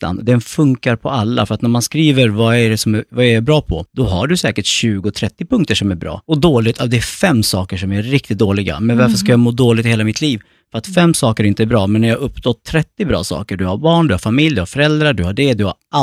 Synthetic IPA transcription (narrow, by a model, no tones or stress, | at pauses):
a̰nd̪ɛnfɵŋkaɾpʰɔalːa̰fœɾat̪næɾmanskɾiːvəɾvaæɖɛsɔmɛvajaɛɾbɾɑːpʰɔd̪̥ɔɦaɖɵsɛːkəʈɕʉ̟ːɡʊt̪ʰɾɛt̪ːɪpʰɵŋkt̪əʂɔmæɾbɾɑ̰ːɔd̪oːlɪt̪ʰavd̪ɛæfɛmːsɑːkəʂɔmæɾɪk̚t̪ɪt̪̚d̪oːlɪɡa̰mɛnvaɾfəʂkajaːɡmoːd̪oːlɪɡt̪ɪheːlamɪt̪ʰliːv | fœɾat̪fɛmːsɑːkəɾɪnt̪əæɾbɾɑːmɛnːæɾjaːɵpːsɔt̪ʰːɾɛt̪ːɪbɾɑ̰ːsɑ̰ːkəɖɵhaɾbɑːɳd̪ɵhaɾfamɪljd̪ɵhaɾfœɾɛld̪ɾaɖɵhaɖɛd̪ɵha̰a